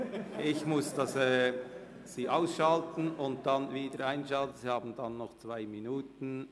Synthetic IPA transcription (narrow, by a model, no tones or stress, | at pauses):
ʔɪçmʊsd̥ɑsɛː | siːʔaʊsʃɑltn̩ʊnt̚d̥ɑnviːdəɾaɪnʃɑltn̩siːhɑːbn̩dɑnːɔχt͡sv̥aɪminuːtn̩